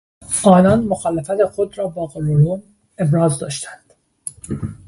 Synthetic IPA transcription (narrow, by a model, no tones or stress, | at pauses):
ʔɒːnɒːnmoxɒːlefæt̪e̞xod̪ɾɒːbɒːɡoloɾun | e̞bɾɒːzd̪ɒ̰ːʃt̪ʰænd̪̥